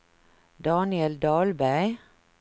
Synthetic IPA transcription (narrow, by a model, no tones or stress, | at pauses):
d̪ɑːnɪɛld̪ɑːlbæɪ